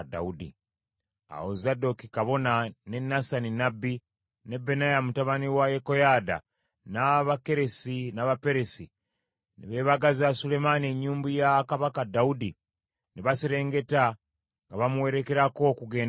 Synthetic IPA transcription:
da̰udḭ | a̰ozado̞kikaβo̞nane̞nasaninabːi | ne̞be̞najamutaβaniwajeko̞jada̰ | naβake̞ɾe̞sinaβape̞ɾe̞si | niβe̞ːβaɡaziasule̞manie̞ɲːuːmbujakaβakadaudi | neβasiɾe̞ːŋɡe̞ta | ŋɡaβamuwe̞ɾe̞ke̞ɾako̞kuɡe̞ːn

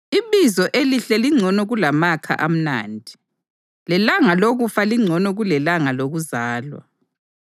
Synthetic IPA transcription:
iβizɔʔeliɬɛliŋ͡ǀʱɔnɔɣulamakʰa̰ʔam̩na̰ːndʱi | lɛlaŋaloɣufaliŋ͡ǀʱɔnɔɣulɛlaŋaloɣuzaːlwa̰

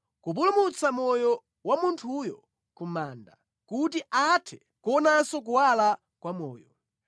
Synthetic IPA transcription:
kup̬ulumut͡samɔjɔ | wamuntʰujɔ | kumaːnda | kutiʔatʰɛ̥ | kɔnasɔk̬uwala | kwamɔ̰ːjɔ

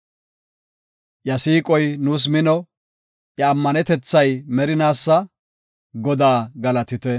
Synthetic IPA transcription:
jɐsiːkʼɔjnuːs̬mɪnɔ | ʔjɐːmːɐnɛt̪ɛt͡sːɐjmɛɾɪnaːsːɐ | ɡɔd̪aːɡɐlɐt̪ɪt̪ɛ

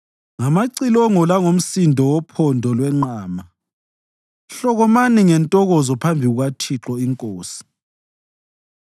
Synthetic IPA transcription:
ŋamaǀilɔŋɔlaŋom̩sindʱɔwɔpʰɔndʱɔlwɛŋ͡ǃaːma | ɬɔɣɔmaniŋɛntʼɔɣɔzɔpʰambʱiɣuɣatʰiǁɔiŋkʼoːsi̥

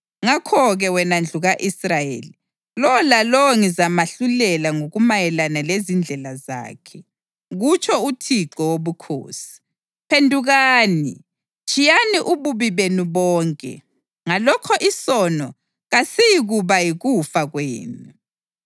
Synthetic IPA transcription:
ŋakʰɔɣɛwɛnand͡ɮʱuɣaʔisrajḛːli | lɔɔlalɔɔŋizamaɬulɛlaŋoɣumajɛlanalezind͡ɮʱɛlaza̰ːkʰɛ | ɣut͡ʃʰʼɔutʰiǃɔwoβukʰo̰ːsi̥ | pʰendʱuɣaːnḭ | t͡ʃʼijaniʔuβuβiβeniβɔːŋkʼɛ̰ | ŋalɔkʰɔʔisɔnɔ | ɣasijiɣuβajiɣufaɣwḛːnu

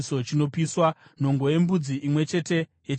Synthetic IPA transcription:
so̞t͡ʃino̞piswan̤o̞ŋɡo̞je̞mbud͡ziʔimwe̞t͡ʃe̞te̞jet͡ʃ

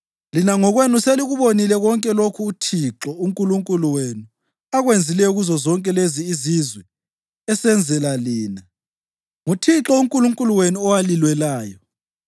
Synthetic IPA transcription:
linaŋɔɣwenuseliɣuβonilɛɣɔŋkʼɛlokʰuːtʰiǁɔuŋkʼuluŋkʼuluwenu | aɣwend͡zʱilɛuɣuzɔzɔŋkʼɛleziːzizwɛ | ɛsɛnd͡zʱɛlaliːna | ŋutʰiǁɔuŋkʼuluŋkʼuluwenuɔwalilwɛlaːjɔ

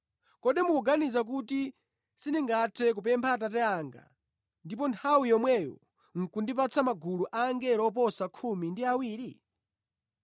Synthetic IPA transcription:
kɔɗimukuɡanizak̬uti | siniŋɡatʰɛk̬upɛmpʰat̬at̬ɛaŋɡa̰ | ndipɔntʰawijɔmwɛjɔ̰ | ŋ̩kundip̬at͡sʰamaɡuluʔaŋɡɛɾɔp̬ɔsakʰumindiawiːɾi

